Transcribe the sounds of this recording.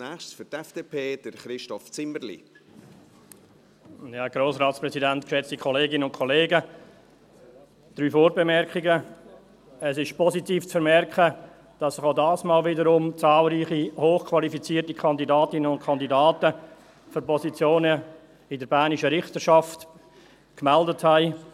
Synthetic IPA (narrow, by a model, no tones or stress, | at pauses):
nɛχʃføɾtɛfd̥eːpʰeːd̥əɾχɾɪʃtɔft͡sɪməɾlḭ | jaːɡ̥ɾoːsɾɑːtspɾɛsidɛntkʃɛt͡stikʰɔleːɡɪnənʊnkʰɔleːɡə | d̥ɾyːfoːɾbɛmɛɾkɪɡə | ɛsɪʃpʰɔsitiːft͡sfəɾmɛrkχə | d̥ɑsːɪχaʊdɑːsmɑːlvɪdəɾʊmt͡sɑːlɾiːχihoːχkʰvɑlifit͡siːtikʰɑndidɑːtɪnənʊntkʰɑndidɑːtə | føɾpɔsit͡sjoːnə | ɪdəɾbæːniʃəɾɪχtəʃɑft | kmɛldəthæɪ